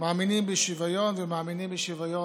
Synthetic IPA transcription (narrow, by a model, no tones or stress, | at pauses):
maːminimbeʃivajonvɛmaːminimbeʃivajo